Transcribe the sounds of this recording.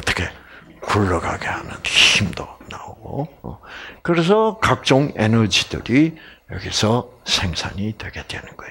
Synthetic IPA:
ʌt͈ʰʌ̥kʰe̞ | kuɭːʌɡaɡe̞hanɯ̰nçimdonaoɡo̰ | kɯɾe̞s̬ʰʌkak̚t͡ɕ͈oŋe̞nʌd͡ʑidɯ̰ɾijʌ̰ɡisʰʌsʰe̞ŋsʰa̰ɲidwe̞ɡe̞dwe̞nɯnɡoj

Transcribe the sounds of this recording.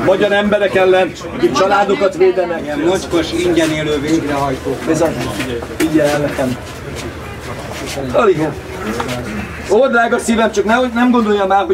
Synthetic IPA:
mɒɟɒɾɛmbɛɾɛkɛlːɛn | ɒkit͡ʃɒlaːd̪o̞kɒt̪ʋeːd̪ɛnɛɡɛmːot͡ʃkoʃiɲɟɛneːløːveːɡrɛɦɒjt̪oːbɛzɒ | iɟɛlɛlːɛkɛm | ɒliɡɛn | old̪ɾaːɡɒsiːvɛmt͡ʃɒknɛnɛmɡo̞nd̪o̞jːɒmaːrɦo

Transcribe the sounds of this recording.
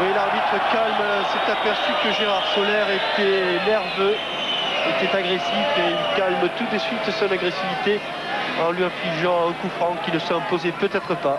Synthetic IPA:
wilaʁbit̪χəkalmsɛt̪apɛʁsykəʒeʁaʁsolɛʁet̪ɛnɛʁvø | et̪ɛt̪aɡʁesifeilkalmt̪ud̪əsɥit̪sɔ̃naɡʁesivit̪e | ɑ̃lɥiɛ̃fliʒɑ̃ɛ̃kufχɑ̃kʲinəsɔɛ̃pozepøt̪ɛt̪χəpa

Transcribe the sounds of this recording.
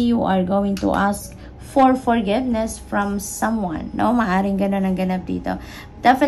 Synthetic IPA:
juʔaɹɡowɪ̃ŋt̪ṵʔask̚ | fɔɹfɔɹɡɪvnɛsfɹɔ̃msɐ̃mwã̰nːo̰mɐʔaːɾɪŋɡɐnonɐŋɡɐnap̚d̪ḭːt̪o̰ | d̪̥ɛf

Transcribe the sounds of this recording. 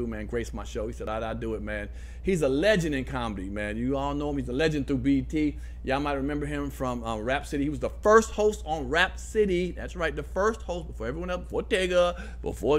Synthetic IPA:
umæ̃nɡɹeɪsmaɪʃoʊhisɛɾaɪɾaɪdəɪt̚mæ̃n | hizəlɛd͡ʒɨ̃nɨ̃nkʰɑməɾimæ̃njɨɔlˠnoʊə̃mhizəlɛd͡ʒɨ̃nθɹubitʰi | jæaɪmaɪt̚ɹɨmɛ̃mbə˞ɪ̃ɱfɹʌ̃mʌ̃mɹæpsɪɾihiwʌzðəfɜ˞st̚hoʊstn̩ɹæp̚sɪɾiðæ̰tsɹaɪt̪̚ðɨfɜ˞st̚hoʊst̚b̥əfɔɹɛvɹiwʌ̃nɛlˠsb̥əfɔɹdɛɡə | b̥ə̰fɔ

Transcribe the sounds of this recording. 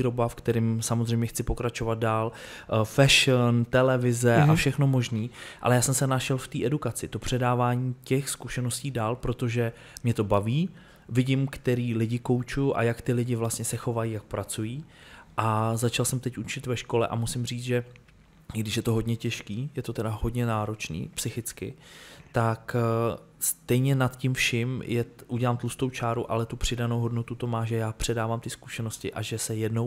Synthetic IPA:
iɾobafkt̪ɛɾɪmsamozr̝ɛjmɲɛxt͡sɪpo̞kɾat͡ʃovad̪̚daːlfɛʃənt̪ɛlɛvɪzɛʔafʃɛxno̞mo̞ʒniːʔa̰lɛjaːsɛmsɛnaʃɛlft̪iːʔɛdukat͡sɪt̪o̞pr̝̥ɛdaːvaːɲiːcɛxskuʃɛno̞sciːdaːlpɾo̞t̪o̞ʒɛ | mɲɛt̪o̞baviː | vɪɟɪmkt̪ɛɾiːlɪɟɪko̞wt͡ʃujʊʔa̰jakt̪ɪlɪɟɪvlast̪ɲɛsɛxo̞vajiːjak̚pɾat͡sujiːʔazat͡ʃalsɛmt̪ɛcʔut͡ʃɪt̪vɛʃko̞lɛ̰ʔa̰musɪmriːt͡sʒɛ | ɪɡdɪʃjɛt̪oɦo̞dɲɛcɛʃkiːjɛt̪o̞t̪ɛdaɦo̞dɲɛnaːɾo̞t͡ʃnḭːpsɪxɪt͡skɪ̰t̪ak | st̪ɛjɲɛnat̪cɪmfʃɪmjɛʔuɟɛlaːmt̪lust̪o̞wt͡ʃaːɾuʔa̰lɛt̪upr̝̥ɪdanowɦo̞dnot̪ut̪o̞maːʒɛjaːpr̝̥ɛdaːvaːmt̪ɪsku̥ʃɛno̞scɪʔaʒɛsɛjɛdnow

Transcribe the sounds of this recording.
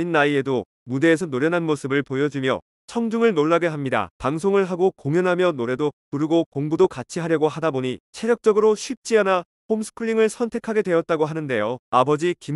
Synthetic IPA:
inːaie̞do | mude̞ːsʰʌnoɾjʌnɦanmosʰɯbɯɭpojʌd͡ʑumjʌ̰ | t͡ɕʰʌŋd͡ʑuŋɯɭnoɭːaɡeɦamɲida̰paŋsʰoŋɯɭɦaɡokoŋjʌnɦamjʌnoɾe̞dokuɾɯɡokoŋbudokat͡ɕʰiɦaɾjʌɡoɦadaboɲit͡ɕʰe̞ɾjʌk̚t͡ɕ͈ʌɡɯɾoɕʰɥip̚t͡ɕ͈iana | homsʰɯ̥kʰɯɭːiŋɯɭsʰʌntʰe̞kʰaɡe̞dwe̞ʌt̚t͈aɡoɦanɯnde̞joabʌd͡ʑikim

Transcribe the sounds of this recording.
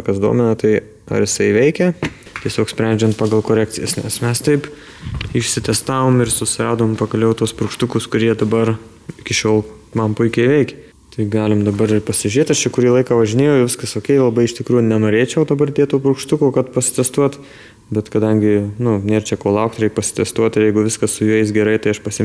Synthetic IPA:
kɐsd̪ṵɔmʲɛnɐt̪ɐɪ | ɐ̰ɾjɪsɐɪʋʲɛɪkʲɛ | t̪ʲiɛsʲoːksʲpʲɾʲɛnʲd͡ʒʲɛnt̪̚pɑːɡɐlˠkoːɾʲæːk̚tt͡s̪ʲɪjɛ̰snʲɛ̰smʲɛst̪ɐɪp | ɪʃsʲɪt̪ʲɛst̪ɑːʋoːmɪrsʊsʲɪɾɑːd̪oːmpɐkɐlʲɛʊt̪uɔspɾʊkʃt̪ʊkʊskʊɾʲiɛd̪ɐbɐr | ɪkʲɪʃʲoːlˠ | mɐmpʊɪkʲɛɪʋʲɛɪkʲɛ | t̪ɐɪɡɑːlʲɪmd̪ɐbɐɾɪrpɐsʲɪʒʲʉɾʲeːt̪ɐʃt͡ʃʲɛkʊɾʲiːlˠɐɪkɑʋɐʒʲɪnʲeːjɛʊɪʋʲɪskɐsoːkʲɛɪlˠɐbɐɪɪʃt̪ʲɪkɾuːjʊnʲɛnoːɾʲeːt͡ʃʲɛʊd̪ɐbɐrd̪ʲeːt̪oːpɾʊkʃt̪ʊkoːkɐt̪pɐsʲɪ̥t̪ʲɛst̪uɔt̪ | bʲɛt̪kɐd̪ɐŋʲɡʲɪnʊnʲeːrt͡ʃʲɛkoːlˠɐʊkt̪ɾʲɛɪk̚pɐsʲɪ̥t̪ʲɛst̪uɔt̪ɪɾjɛɪɡʊʋʲɪskɐssʊjuɪsɡʲɛɾɐɪt̪ɐɪɐʃpɐsʲɪ

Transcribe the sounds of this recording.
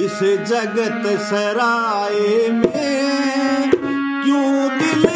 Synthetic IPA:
ɪsed͡ʒɐɡət̪sɐɾaːeme | kjõːd̪ɪl

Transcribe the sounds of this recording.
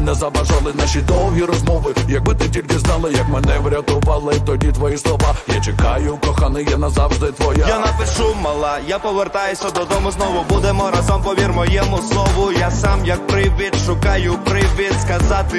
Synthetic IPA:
nɛzɐbɐʒalˠɪnaʃid̪ɔw̪ˠɦiɾɔzmɔʋɪjɐɡ̚bɪt̪ɪtʲilʲkɪznɑlˠɪjɐkmɛnɛʋɾʲɐt̪ɔʋalˠɪt̪ɔdʲit̪ʋɔjislˠɔʋajat͡ʃekajʊkɔxanɪjanɐzɑʋʒd̪ɪt̪ʋɔjajanɐpɪʂumɐlˠajapɔʋert̪ajʊsʲɐd̪ɔd̪ɔmʊznɔʋʊbud̪emɔɾɐzɔmpɔʋʲirmɔjɛmʊslˠɔʋʊjasamjɐk̚pɾɪʋʲɪt̪ʃʊkɑjʊpɾɪʋʲɪt̪skɐzat̪ɪ

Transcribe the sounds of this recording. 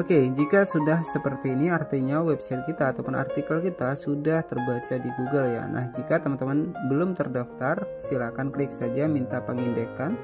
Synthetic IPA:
oked͡ʒikasudahsəpərt̪iːniart̪eɲawɛbsajt̪̚kit̪aːt̪awpʊna̰rt̪ikəlkit̪asudaht̪ərbat͡ʃadiɡuɡəlja̰nʔa̰hd͡ʒikat̪əmant̪əmanbəlʊmt̪ərdaft̪arsilakanklɪk̚sad͡ʒamint̪apəŋindəkan

